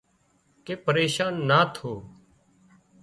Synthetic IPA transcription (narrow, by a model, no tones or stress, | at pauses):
keːpəɾeːʃaːnːaːt̪ʰoː